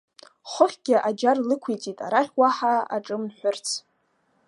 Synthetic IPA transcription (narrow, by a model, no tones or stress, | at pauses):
χʷʊχʲɡ̥ʲɪʔad͡ʒarlɨkʷʰejt͡sʼitʼa̰ɾaχʲwaħaa̰ʈ͡ʂʼɨmnħʷʊrt͡sʰ